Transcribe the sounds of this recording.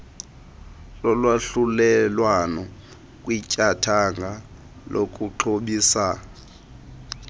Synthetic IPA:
lɔlwaɬulɛlwanɔ | kʼwicʼatʰaŋɡʱa | lʔokʼuǃʰoɓiːsa

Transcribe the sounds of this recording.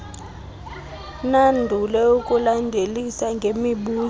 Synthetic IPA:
nandʱulɛukʼulandʱelisaŋɡʱemiɓuː

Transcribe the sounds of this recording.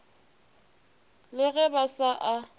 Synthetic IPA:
lɪɣɛbasaʔa

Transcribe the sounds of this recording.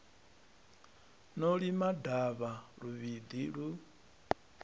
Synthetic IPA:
nɔɺimadaβaɺuβid̪iɺu

